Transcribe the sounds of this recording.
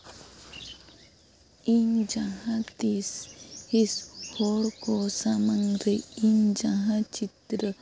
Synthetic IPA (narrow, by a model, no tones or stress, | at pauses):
iɲd͡ʒaɦat̪isishoɾkosamaŋɾeiɲd͡ʒaɦat͡ʃit̪ɾə